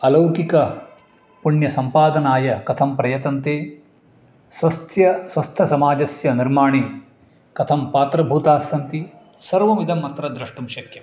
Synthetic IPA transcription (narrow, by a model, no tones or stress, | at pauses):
ɐlɐwkikɐ | puɳjɐsɐmpaːd̪ɐnaːjɐkɐt̪ʰɐmpɾɐjɐt̪ɐnt̪eː | sʋɐst̪ʰjɐsʋɐst̪ʰɐsɐmaːd͡ʒɐsjɐniɾmaːɳi | kɐt̪ʰɐmpaːt̪ɾɐbʱuːt̪aːsɐnt̪i | sɐɾʋɐmid̪ʱɐmːɐt̪ɾɐd̪ɾɐʂʈumʃɐkjɐ